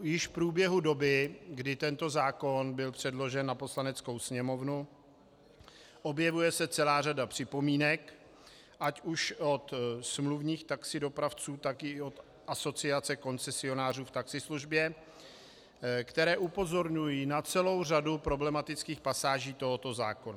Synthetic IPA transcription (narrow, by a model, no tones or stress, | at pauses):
jɪʃfpɾuːbjɛɦudo̞bɪɡdɪt̪ɛnt̪o̞zaːko̞nbɪlpr̥ɛdlo̞ʒɛnːapo̞slanɛt͡sko̞wsɲɛmo̞vnu | ʔo̞bjɛvujɛsɛt͡sɛlaːradapr̝̥ɪpo̞miːnɛk | ʔacuʃo̞t̪smluvɲiːxt̪aksɪdo̞pɾaft͡suːt̪akɪo̞t̪ | ʔaso̞t͡sɪat͡sɛko̞nt͡sɛsɪo̞naːr̝uːft̪aksɪsluʒbjɛ | kt̪ɛɾɛːʔupo̞zo̞ɾɲujiːnat͡sɛlo̞wr̝adupɾo̞blɛmat̪ɪt͡skiːxpasaːʒiːt̪o̞ɦot̪o̞zaːko̞na